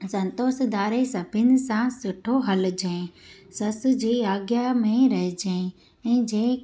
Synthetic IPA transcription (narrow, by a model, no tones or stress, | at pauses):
sɐ̃nt̪oːsd̪aːɾesɐbʱɪnɪ̆sãsɪʈʰoɦɐld͡ʑẽsɐsd͡ʑiːaːɡjamẽɾɐɦd͡ʑẽ | ɛ̃ːd͡ʑẽː